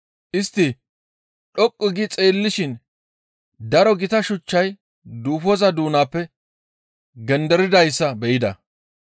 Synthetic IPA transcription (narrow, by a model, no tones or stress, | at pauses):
ʔɪst̪ːɪ | ɗɔkʼːɪɡɪt͡sʼe̞ːlːɪʃɪn | d̪ɐɾɔɡɪt̪ɐʃʊt͡ʃːɐj | d̪uːfɔzɐd̪uːnaːpːɛ | ɡɛnd̪ɛɾɪd̪ɐjsːɐbɛʔɪd̪ɐ̰